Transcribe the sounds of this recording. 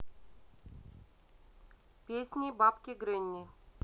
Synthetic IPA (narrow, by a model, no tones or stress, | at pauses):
pʲesʲnʲibapkʲeɡɾʲɘnʲːi